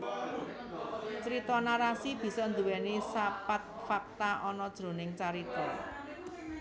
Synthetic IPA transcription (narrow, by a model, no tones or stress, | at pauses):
t͡ʃɾit̪ɔnaɾasib̥i̤sɔnd̪uwɛnisapat̪̚fak̚t̪aʔɔnɔd̥ʒ̥ɾo̤nɪŋt͡ʃaɾit̪ɔ